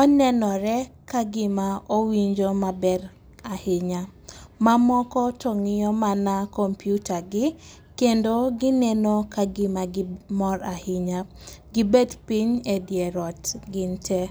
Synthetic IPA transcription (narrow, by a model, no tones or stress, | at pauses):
ɔnɛnɔɾɛkaɡɪmaowiɲd͡ʒomabɛɾ | ahɪɲamamɔkɔtoŋɪjɔmanakompjutaɡɪ | kendoɡɪnɛnokaɡɪmaɡɪmɔɾahɪɲaɡɪbedpiɲedjɛɾɔtɡɪntɛ